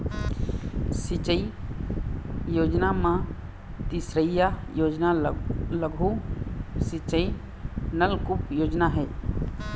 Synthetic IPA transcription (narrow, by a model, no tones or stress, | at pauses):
sɪt͡ʃəi | joːd͡ʒnamã | t̪isɾəjaod͡ʒnaləɡʱu | sɪt͡ʃəi | nəlkʊpjoːd͡ʒnaɦɛː